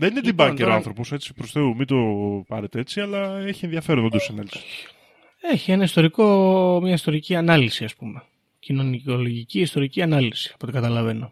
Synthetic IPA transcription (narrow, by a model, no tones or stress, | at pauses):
ðenined̪ibɐeɾoɐnθɾo̞po̞se̞t͡si̥pɾosθe̞umid̪o̞pɐɾet̪eet͡siɐlɐeçienðjɐfe̞ɾonod̪osenɐli | e̞çienɐist̪o̞ɾiko̞mɲɐist̪o̞ɾiciɐnɐlisiɐspume | cino̞nio̞lo̞ʝiciist̪o̞ɾiciɐnɐlisi̥ɐpo̞t̪ikɐt̪ɐlɐve̞no̞